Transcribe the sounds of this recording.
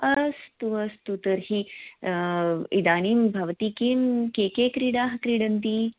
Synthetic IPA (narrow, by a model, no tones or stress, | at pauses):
əst̪uəst̪ut̪əɾhi | id̪aɽ̃iːmbʱaʋt̪iːkimkekekɾiːɽaɦkɾiɽənt̪̬i